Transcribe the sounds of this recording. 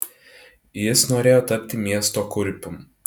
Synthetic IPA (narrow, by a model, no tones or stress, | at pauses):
jɪsnoːɾʲeːjoːt̪ɐpʲt̪ʲɪmʲiɛst̪oːkʊɾʲpʲʊm